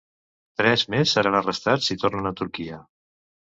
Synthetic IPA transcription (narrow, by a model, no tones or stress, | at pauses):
t̪ɾɛzmesːəɾanərəst̪at͡sit̪ornənət̪uɾkiə